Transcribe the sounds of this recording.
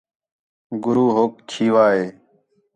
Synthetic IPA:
ɡʊɾuːɦoːk̚t͡ʃʰiːʋaːɦeː

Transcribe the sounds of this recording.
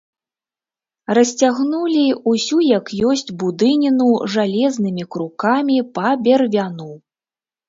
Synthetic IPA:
rɐsʲt͡sʲaɣnulʲiusʲujɐkjɔsʲd͡zʲbud̪ɨnʲinuʐalʲɛznɨmʲikɾukamʲipɐbʲɛrvʲanu

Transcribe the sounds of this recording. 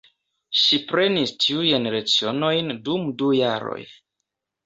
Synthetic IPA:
ʃipɾe̞nistʰiujeneɾat͡sio̞no̞jndumdujaɾo̞̰j

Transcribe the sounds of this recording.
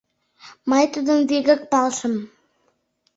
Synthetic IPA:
mɑjt̪ud̪əmveɡɘ̆k̚pɑlˠʃəm

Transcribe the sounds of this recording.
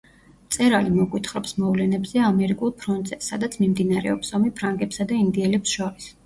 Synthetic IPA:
t̪sʼɛɾalimɔɡwit̪ʰχɾɔpsmɔvlɛnɛbzɛamɛɾikʼulˠpʰɾɔnt̪ʼz̥ɛsad̪at̪sʰmimd̪inaɾɛ̰ɔpsɔmipʰɾaŋɡɛpsad̪aind̪iɛlɛpsʃɔɾis

